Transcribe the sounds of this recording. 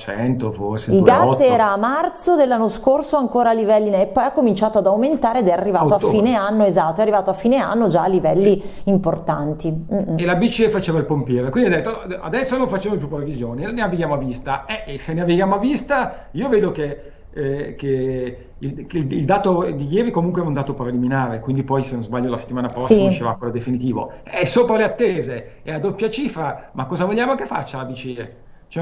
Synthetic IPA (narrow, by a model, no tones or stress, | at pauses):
t͡ʃɛ̰nt̪ofo̰rseilɡasɛːɾaːmːart̪sod̪elːanːoskorsoaŋkoːɾalːivɛlːinɛepːɔjakːomint͡ʃaːt̪oad̪awment̪aːɾeed̪ɛarːivaːoafːiːneanːoezat̪ːoɛarːivaːt̪oafːiːnea̰nːod͡ʒaːlːivɛlːiːmport̪a̰nt̪ielabit͡ʃiɛfat͡ʃeːvailpompjɛːɾokwindiad̪ɛt̪ːoa̰d̪ɛsːonoɱfat͡ʃeːmop̬jupːɾevizjoːneneaveɡjaːmoavist̪aɛsenːeaveɡjaːmoavist̪a | iːoveːd̪oke | ke | iklild̪aːt̪od̪ijɛːɾikomuŋkweɛaund̪aːt̪opɾeliminaːɾekwind̪ipɔjsenozbaʎːolase̥t̪ːimaːnapɾsɔsismaiʃeva̰kwelod̪efinit̪iːvo̰ɛsːoːpɾaleat̪ːeːze | ead̪opːjat͡ʃiːfɾamakːɔːzavoʎːjaːmokefːa̰t͡ʃːalabit͡ʃie | t͡ʃɛ